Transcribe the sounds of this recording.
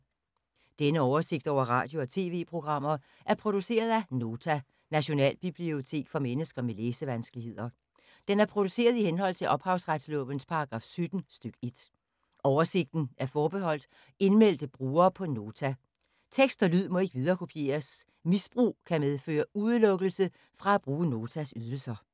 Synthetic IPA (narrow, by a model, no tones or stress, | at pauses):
d̥enəɒʊɐse̝ɡ̥̚d̥ɒʊ̰ɐʁɑ̈ːd̥jo̝ɒ̽t͡sʰe̝ːʋe̝̰ːpʰʁo̝ɡ̥ʁɑ̈m̰ɐ | ʔæɐpʰʁo̝d̥use̝̰ːɐðˠæno̝ːt͡sʰæ | næɕo̝nɛ̰ːlb̥ib̥lio̝t͡sʰe̝̰ːɡ̥fɒ̽menəsɡ̥ɐmeleːsəʋænsɡ̥əlihe̝ð̰ˠɐ | d̥enæɐpʰʁo̝d̥use̝̰ːɐð̞ˠihenɦɒ̽l̰t͡sʰe̝lʔɒ̽b̥hɑ̈ʊsʁad̥slɔ̰̽ːʋən̩spʰɑ̈ɑ̈ɡ̥ʁɑ̈ːfsød̥n̩sd̥øɡ̥e̝d̥ | ʔɒʊɐse̝ɡ̥̚d̥n̩æɐfɒːb̥eɦɒ̽l̰d̥ | e̝nmel̰d̥əb̥ʁuːɐːpʰɒ̽no̝ːt͡sʰæ | t͡sʰeɡ̥sd̥ɒlyð̞̰ˠmɔ̽e̝ɡ̥ʋið̞ˠɐːkʰo̝pʰije̝̰ːɐs | misb̥ʁṵːkʰæmeð̞ˠfø̰ːɐuðˠlɔ̽ɡ̥l̩sə | fʁɑ̈æb̥ʁuːəno̝ːt͡sʰæsyð̞ˠl̩sɐ